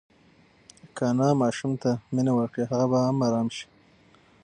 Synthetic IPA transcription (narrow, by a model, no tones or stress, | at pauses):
kanɑmɑʃumt̪aminawəɾkɽiɦaɣabaamːaɾɑːmʃi̥